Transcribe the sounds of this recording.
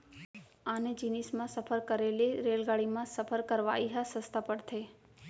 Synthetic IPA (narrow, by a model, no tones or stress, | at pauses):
aned͡ʒinismãsəpʰəɾkəɾeleɾelɡaɽimãsəpʰəɾkəɾʋa̰iɦasəst̪ʰapəɽt̪ʰeː